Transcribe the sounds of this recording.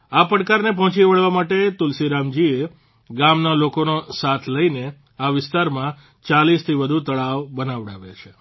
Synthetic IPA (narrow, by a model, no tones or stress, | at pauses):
apəɽkaɾnep̬ɔɦɔ̃t͡ʃiʋəɭʋamaʈet̪ʊlsiɾamd͡ʒie | ɡamnalokonosat̪ʰləine | aʋɪst̪aɾmã | t͡ʃalist̪ʰiʋəd̪ʱut̪əɭaʋbənaʋɽa̰ʋḛt͡ʃʰe